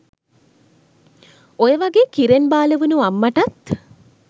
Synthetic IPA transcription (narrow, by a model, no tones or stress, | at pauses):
ojəʋaɡeːkiɾenbaːləʋunuamːɐʈɐt̪